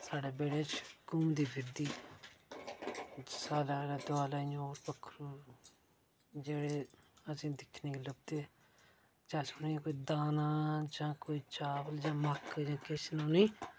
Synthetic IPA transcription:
saːɖeːbeːɽeːt͡ʃɡũːd̪iːbɪd̪iː | saːlaleːd̪ʊaːlaːĩːoːɾpəkʰːɾuː | d͡ʒeːɽeːəsĩːd̪ɪkʰneːkiləb̚d̪eː | d͡ʒaːsõnĩkoːiːd̪aːnãːd͡ʒãːkoːiːt͡ʃaːbəld͡ʒãːməkʰd͡ʒãːkɪʃnõːnĩː

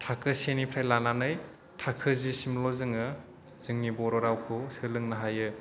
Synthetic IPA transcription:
tʰakʰɯsenipʰɾajlananɯj | tʰakʰɯzisimlɔzɯŋɯ | z̥ɯŋnibɔɾɔɾawkʰusɯlɯŋnaɦajɯ

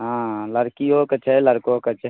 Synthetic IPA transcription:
ɦãləɾkijokət͡ʃʰeləɾkoːkət͡ʃʰ

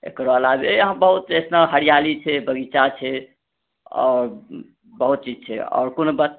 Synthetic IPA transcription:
ḛkɾolaebeɦãbəɦut̪esnaɦəɾijalit͡ʃʰɛbəɡit͡ʃat͡ʃʰɛ | ɔ̰ːɾ | bəɦut̪̚t͡ʃid͡ʒt͡ʃʰɛ̰ɔ̰ːɾkonbət̪

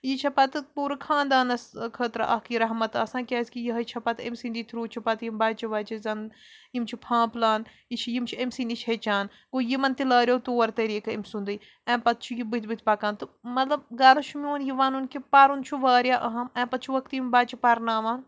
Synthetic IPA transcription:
jit͡ʃʰɐpɐt̪ɨpuːɾɨkʰãːnd̪aːnɐskʰəːt̪ɾɐ̰ʔɐkiːɾɐɦmɐt̪ɐsãːkʲaːskijiɦɐt͡ʃʰɐpɐt̪ʰemsind̪it̪ʰɾuːt͡ʃʰipɐt̪jimbaːt͡ʃʰiʋɐːt͡ʃizɐn | jimt͡ʃʰipʰãːplaːnjit͡ʃʰijimt͡ʃʰiemsind̪it͡ʃʰɦet͡ʃaːn | ɡoːjimɐnt̪ilaːɾʲjoːt̪oːɐɾt̪ɐɾiːkɐimsund̪ɨj | ɛ̃ːpɐt̪̚t͡ʃʰujibɨt̪ʰbit̪ʰpɐkãːnt̪ɨmɐt̪lɐb̚ɡaːlɐʃʰumioːnjiʋaːnunkipɐɾunt͡ʃʰuʋaːɾjaːʔɐɦɐmɛ̃ːpɐt̪̚t͡ʃʰuʋɐk̚t̪jimbaːt͡ʃʰipɐɾnaːʋaːn

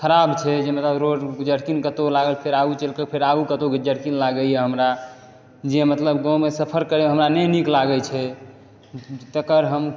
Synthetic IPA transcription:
kʰəɾabt͡ʃʰɛd͡ʒemət̪ləbɾoɽɡd͡ʒəɽkinkət̪olaɡəlpʰeɾaɡut͡ʃəlkəpʰeɾaɡukət̪oɡd͡ʒəɽkinlaɡəjɛɦəmɾa | d͡ʒemət̪ləbɡɔ̃mesəpʰəɾkəɾeɦəmɾanɛniklaɡət͡ʃʰɛ | t̪əkəɾɦəm

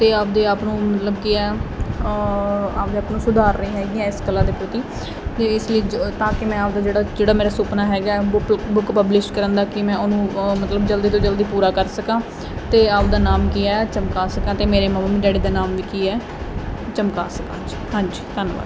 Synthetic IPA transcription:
t̪eːaːp̚d̪eːaːpnũːmət̪ləbkɪɛː | aːpd̪eːaːpnũːsʊd̪aːɾːĩːɦɛːɡɪːãːɪskəlːãːd̪eːpɾət̪iː | t̪eːɪsləiːd͡ʒt̪ãːkɪmɛ̃ːaːp̚d̪aːd͡ʒeːɽaːd͡ʒeːɽaːmeːɾaːsʊːpnaːɦɛːɡaːɛːbʊkpəblɪʃʈkəɾə̃nd̪aːkɪmɛ̃ːʊnũːmət̪ləbd͡ʒəld̪iːt̪õːd͡ʒəld̪iːpuːɾaːkəɾsəkãː | t̪eːaːpd̪aːnaːmkiːɛːt͡ʃəmkaːsəkãːt̪eːmeːɾeːməːmaːmiːɖɛːɽiːd̪aːnaːmʋiːkiːɛː | t͡ʃəmkaːsəkãːd͡ʒi̥hãːɲd͡ʒiːt̪ənʋa̰ːd̪

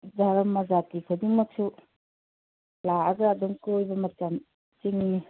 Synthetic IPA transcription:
daɾɐmːɐzatikʰudiŋmɐk̚sʰu | laaɡaadɔŋkojbɐmɐt͡ʃam | t͡ʃiŋni

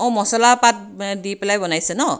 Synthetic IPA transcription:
ɔmɔsɔlapat̪̚ | diplajbʌnajsʰʌnʌ

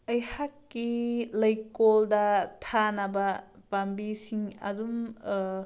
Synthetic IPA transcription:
ɐjhakːilɐjkoldɐtʰanɐbɐ | pambisiŋɐ̰dum

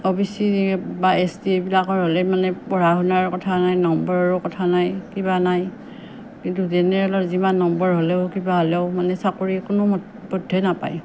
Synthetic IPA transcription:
ɔbisibaesdibilakɔɹɦolɛmanɛpɔɹaɦunaɹkɔtʰanajnɔmbɔɹɔɹʊkɔtʰanajkibanaj | kintuzɛnɛɹɛlɔɹzimanːɔmbɔɹɦolɛʊkibaɦolɛʊmanɛsakoɹikʊno | bɔdʱːɛnapa̰j

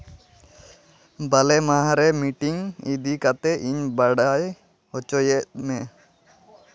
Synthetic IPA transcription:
balɛmaɦãɾɛmiʈiŋid̪ikat̪ɛʔiɲbaɽaj | ɔt͡ʃɔjɛʔ̪̚mɛ

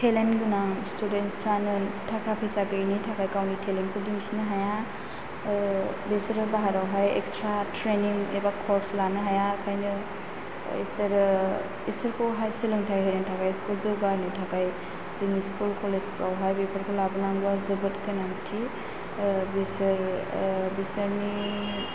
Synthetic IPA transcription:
tʰelenɡɯnaŋstudenspʰɾanɯtʰakʰapʰesakɯnitʰakajkawnitʰeliŋkʰɔdinkʰinɯɦaja | besɾɯbaɦaɾawɦajɛ̰kstʰɾatʰɾeniŋebakʰɔɾslanɯɦajakʰajnɯ | ḭsəɾ | isɯɾkʰɔwɦajsɯlɯŋtʰajɦɯɾaŋtʰakajskulzɯɡaɾnitʰakaj | ziŋiskulkʰɔlestɾawɦajbepʰaɾkʰɔlabɯnaŋɡazɯbɯtkɯnantʰi | besɯɾ | besəɾni

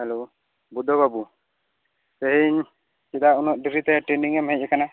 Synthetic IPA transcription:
hɛlo | bud̪ɔβabu | sɛɦiɲ | kid̪aʔunɔʔ̪̚ɖiɡɾit̪ɛʈɾeniŋɛmɦɛc̚ˀɛkana

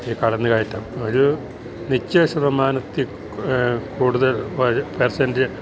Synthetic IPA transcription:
iːkɐɭɐnːɨkaːjitːaːmɐðu | nit͡ɕːeːɕɐʋɐmaːnɐt̪ːi | kuːɽuðɐlʋɐpersɐnde

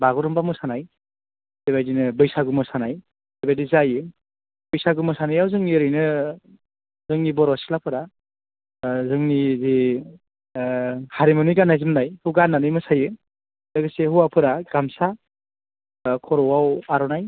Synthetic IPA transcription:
baɡɔɾɔmbamɯsanaj | debajdinɯbɯjsaɡɯmɯsanaj | debajdizajɯ | bɯjsaɡɯmɯsanajawzɯŋiɾɯjnɯ | zɯŋnibɔɾɔsi̥lapʰɯɾa | zɯŋnizi | haɾimɯnijɡanːajzɯmnajhuɡanːanɯjmɯsajɯ | dɯɡɯsehuwapʰɯɾaɡ̥amsa | kʰɔɾɔwawaɾɔnaj

